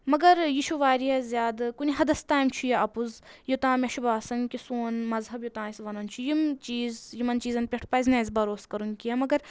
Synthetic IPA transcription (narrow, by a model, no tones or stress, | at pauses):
mɐɡɐɾjiʃuʋaːɾiɐzjaːd̪kuniɦɐd̪ɐst̪aːjmt͡ʃʰujeʔɐpuzjot̪ãːmʲɐʃubaːsɐŋkisoːnmɐzɦɐbjot̪ãːisʋɐnɐnt͡ʃʰujimt͡ʃiːzjimɐnt͡ʃiːzɐnpʲeʈʰpaːjznẽːzʲbɐɾoːskɐɾunkijemɐɡɐɾ